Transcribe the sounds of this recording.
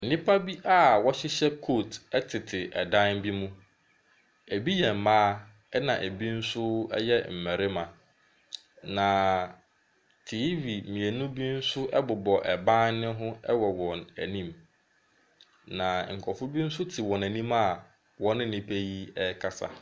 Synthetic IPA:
n̩˨nĩ˦pʰa˦bi˦ʔa˦wɔ˦ɕɪ˦ɕɛ˦kʰo˦˨tɛ˦tʰɪ˨tʰɪ˨ʔɛ˨dã˦nbi˦mũ˦ | æ˨bi˦jɛ˨m̩˨mãː˦ | ɛ˦nã˨ʔæ˨bi˦n̩˦sʊ˦ɛ̰˦jɛ˦m̩˨mæ˨ɾɪ˦mã˨ | nã˨ | tʰiː˨˦ɥi˨mĩ˨æ˨nʊ̃˦bi˦n̩˦sʊ˦ʔɛ˦bʊ˨bɔ˨ʔɛ˨bã˦nnɪ̃˦ɦʊ̃˦ɛ̰˦wɔ˨wɔ̃˨næ˨nĩ˦m | nã˨ŋ̩˨kʰɔ˨fʊ˦bi˦n̩˦sʊ˦tʰɪ˨wɔ̃˨næ˨nĩ˦ma˦˨ | wɔ̃˦nɪ̃˦n̩˨nĩ˦pʰæ˦ji˦ɛ˦kʰa˨sa̰˦

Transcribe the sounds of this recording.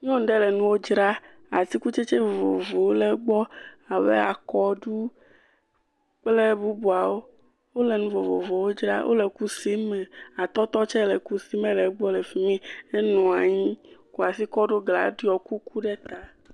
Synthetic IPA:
ɲɔ̃˦ɖɛ˦lɛ˨nũ˦wo˦d͡ʒɾa˦ | a˨t̪i˦ku˦t͡ʃe˦t͡ʃe˦vo˨vo̰˨vo˨wlɛ˨˦ɡ͡bɔ˦ | a˨wɛ̰˦a˨kɔ˦ɖu˦ | k͡plɛ˦bu˦bu˨a˨wo˦ | wo˦lɛ˨nũ˦vo˨vo˨vo˨wo˦d͡ʒɾa̰˦wʔo̰˦lɛ˨ku˦si˦mɛ˨a˨t̪ɔ˦t̪ɔ˦t͡ʃɛ˦lɛ˨ku˦si˦mɛ˦lɛ˨ɡ͡bɔ˦lɛ˨fi˦mĩ˦e˦nɔ̃˨a˨ɲĩ˦ku˨a˨si˦kɔ˦ɖo˦ɡla̰˨ɖi˦ɔ˨ku˦ku˦ɖɛ˦t̪a˨

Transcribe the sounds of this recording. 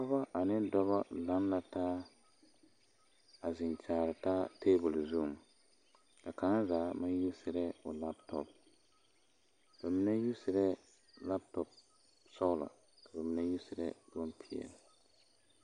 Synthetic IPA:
kʊ˦ba˦ʔa˨nɪ˦dɔ˦βa˦la˦nla˨taː˦ | a˨zɪ˨nt͡ʃaː˨ɾɪ˨taː˦tʰeː˦bʊ˨lzu˦˨ | ka˨kaː˨˦zaː˨˦ma˦n˦ju˦sɪ˨ɾɛ˦ʊ˨la˦ptɔ̰˨p̚ | b̥a˨mi˦nɛ˦ju˦sɪ˨ɾɛ˦ | la˦p̚tɔ˨p̚ | sɔ˦la̰˨ | ka˨ba˨mi˦nɛ˦ju˦sɪ˨ɾɛ̰˦bɔ˦npʰi˦ɛ̰˨l

